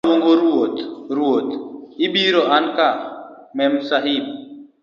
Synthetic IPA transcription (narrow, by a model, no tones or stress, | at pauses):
woŋɡoɾuot̪ɾuot̪ibiːɾoʔɐnkamemsɐɦib̚